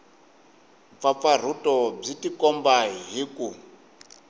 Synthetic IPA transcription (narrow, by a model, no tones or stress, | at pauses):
fafar̤utʼɔb͡ʐitikɔmbaɦiku